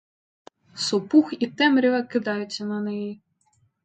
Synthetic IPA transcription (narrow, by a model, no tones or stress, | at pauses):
sɔpuxit̪ɛmɾʲiʋɐkɪd̪ɑjʊt͡sʲːɐnɐnɛji